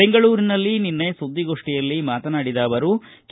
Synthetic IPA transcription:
eŋɡɐɭuːɾinɐlːininːe̞sud̪ːiɡo̞ʂʈijɐlːimaːt̪ɐnaːɽid̪aːʋɐɾu | k

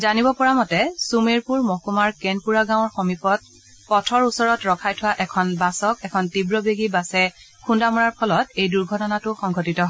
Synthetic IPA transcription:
zanibɔpɔɹamɔtɛsumeɹpuɹmɔkumaɹkenpuɹaɡãw̃ɔɹxɔmipɔt̚ | pɔtʰɔɹusɔɹɔtɹɔkʰajtʰʊwaʔɛkʰɔnbasɔkɛkʰɔntibɹɔbeɡibasɛ | kʰundamɔɹaɹpʰɔlɔtejduɹɡʱɔtɔnatʊxɔŋɡʱɔtitɔɦɔ

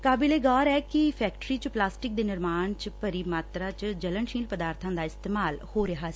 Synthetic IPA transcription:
kaːbileːɡaːɾɛːkɪpʰɛːkʈɾiːt͡ʃplaːsʈɪk̚d̪eːnɪɾmaːnt͡ʃpəɾiːmaːt̪ɾaːt͡ʃd͡ʒələnʃĩːlpəd̪aːɾt̪ʰãːd̪aːɪst̪eːmaːlhoːɾɪɦaːsi

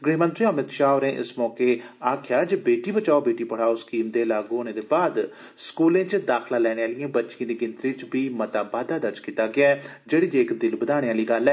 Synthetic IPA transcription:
ɡɽiːmənt̪ɾiəmɪt̪ʃaːoɾẽːʔɪ̰smɔːkeːaːkʰjaːd͡ʒebeːʈiːbət͡ʃaːobeːʈiːpəɽaːoskiːmd̪eːlaːɡɦoːñeːd̪eːbaːd̪ | skuːlẽːt͡ʃd̪aːkʰlãːlɛːɽ̃eːaːlijẽːbətːʃiẽːd̪iːɡɪnt̪ɾiːt͡ʃbiːmət̪ãːbaːd̪aːd̪əɾt͡ʃkiːt̪aːɡɪaːɛd͡ʒeːɽiːd͡ʒeːɪkd̪ɪlbəd̪aːɽ̃eːaːliːɡəlːɛː

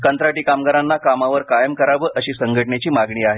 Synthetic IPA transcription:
kənt̪ɾaʈiːkamɡaɾanːakamaʋəɾkajəmkəɾaʋəːʔəɕiːsəŋɡʱəʈɳet͡ɕiːmaɡɳiːaɦe

